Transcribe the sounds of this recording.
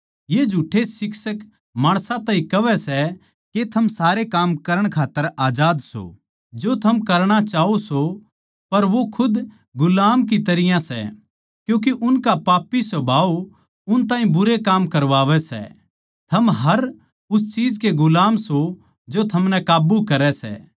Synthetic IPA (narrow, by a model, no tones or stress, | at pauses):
jeːd͡ʒʱuːʈʰesɪksək | maːɽ̃sãt̪ãːĩkɐʋɛsɛ | ket̪ʰɐmsaːɾekaːmkɐɾəɽ̃kʰaːt̪ːəɾaːd͡ʒaːd̪so̰ | d͡ʒot̪ʰɐmkɐɾɽ̃at͡ʃaːoso | pɐɾʋokʰʊd̪ | ɡʊlaːmkit̪ɐɾɪjãsɛ̰ | kjũːk̬eʔʊnkapaːpːisobʱaːo | ʊnt̪ãːĩbʊɾekaːmkɐɾʋaːʋɛsɛ̰ | t̪ʰɐmɦɐɾ | ʊst͡ʃiːd͡ʒkeɡʊlaːmso | d͡ʒot̪ʰɐmnɛkaːbukɐɾɛsɛ̰ː